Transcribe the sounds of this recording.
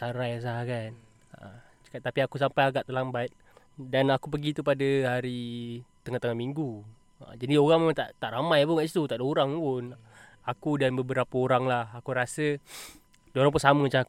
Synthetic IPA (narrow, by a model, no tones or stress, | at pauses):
t̪aɾajas̬akan | t͡ʃə̥kat̪ːapiakus̬ampajaɡaʔt̪əlambat̪̚ | danakup̬əɡit̪upadəhaɾit̪əŋaht̪əŋamiŋɡu | ə̰d͡ʒadioɣaŋmemant̪aʔt̪aʔɾamajp̬uŋaʔsit̪ut̪aʔdaoɾaŋpun | akudanbəbəɾapəoɾaŋlahakuɾasə | daoɾaŋp̬unsaməmət͡ʃa